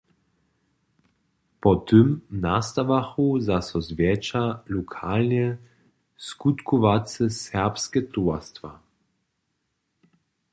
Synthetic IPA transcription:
pɔt̪əmnast̪aʋaxuzasɔzvjɛt͡ʃalukʰalnɛ | skut̪kʰɔʋasɛsɛʁpskɛt̪uast̪ʋa

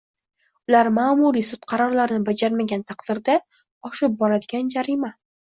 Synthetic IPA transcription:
ʊlaɾmaːmuɾisʊt̪qʰɑɾɒɾlaɾɪnɪbad͡ʒaɾmaɡʲant̪ʰɑqd̪̥ɪɾd̪a | ɒʃɪp̚bɒɾad̪ɪɡʲand͡ʒaɾima

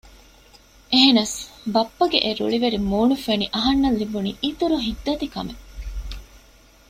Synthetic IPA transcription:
ʔeɦenɐsbɐpːɐɡeʔeɾṵɭiʋeɾimuːnufeniʔɐɦɐnːɐlːibunḭːʔit̪uɾuɦid̪ːɐt̪ikɐ̰me

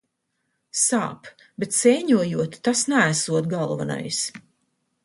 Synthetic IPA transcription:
sa̰ːp | bet̪sɛjɲuɔjuɔt̪t̪asnæːsuɔt̪̚ɡɑlˠva̰na̰js

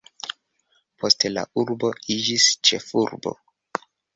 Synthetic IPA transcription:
pʰo̞stela̰uɾbo̞id͡ʒist͡ʃe̞fuɾbo̞̰

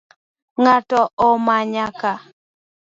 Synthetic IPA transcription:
ŋatɔɔmaɲaka

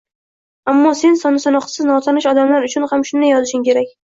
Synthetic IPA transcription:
amːɒse̞nsɒnɪsɒnɒqsɪznɒt̪ʰanɪʃɒd̪amlaɾʊt͡ʃʰʊnhamʃʊnd̪ajɒzɪʃɪŋkʲʰe̞ɾakʲ

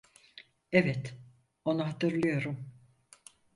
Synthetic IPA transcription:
evɛt̪ | o̞nuɦat̪ʰɯɾlˠɯjo̞ɾum

